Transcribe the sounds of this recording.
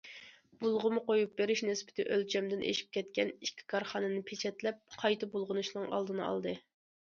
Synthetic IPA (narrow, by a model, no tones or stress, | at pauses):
b̥ulˠʁʊmʊqojup̚beɾɪʃnɛspɪ̥t̪ʰɪʔølt͡ʃʰɛmd̪ɪnʔḛʃi̥p̚kʲʰɛt̪kʲɛnikʲʰːi̥kʰɑɾχɑnɨnɨpʰet͡ʃʰɛt̪lɛp̚qʰɑjt̪ʰɨbulˠʁʊnuʃnɨŋɑ̰lˠd̪ɨnɨɑ̰lˠd̪ɨ